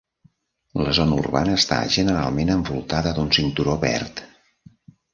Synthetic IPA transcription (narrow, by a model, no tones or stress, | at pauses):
ləzɔnəurβanəːst̪a̰ʒənəɾalˠmenəɱbulˠt̪aðəd̪unsint̪uɾoβɛ̰rt̪